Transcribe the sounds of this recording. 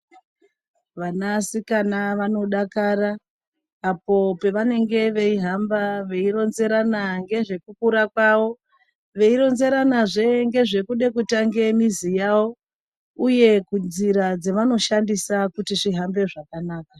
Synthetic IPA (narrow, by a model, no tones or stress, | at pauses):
ʋanasikanaʋano̞ɗakaraː | po̞pe̞ʋane̞ŋɡe̞ʋe̞iɦambaʋe̞iɾo̞nze̞ɾanaŋɡe̞ʐe̞kukuɾakwaːʋo̞ | ʋe̞iɾo̞nze̞ɾanaʐe̞ŋɡe̞ʐe̞kuɗe̞kutaŋɡe̞mizijawo̞ | uje̞kunziɾad͡zeʋano̞ʃandisakutiʐiɦambe̞ʐakanaːka